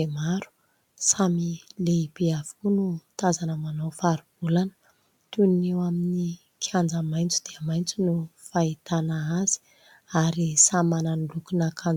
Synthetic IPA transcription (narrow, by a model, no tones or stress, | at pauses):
emaɾu̥ | samileipeav̥u̥kunut̪azanəmanawfaɾub̥ulanə | t̪unnewamini | kʰand͡zəmajnt͡sud̪̥eamajnt͡sunufait̪anaaz̥i̥ | aɾisamananilukunakʰan